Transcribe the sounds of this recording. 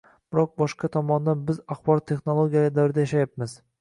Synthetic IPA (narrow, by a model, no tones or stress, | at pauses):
b̥ɪɾɒq̚bɒʃqɑt̪ʰɒmɒnd̪anbɪzaχbɒɾɒt̪ʰːe̞χnolˠoɡʲijald̪awɾɪd̪ajaʃajapmɪz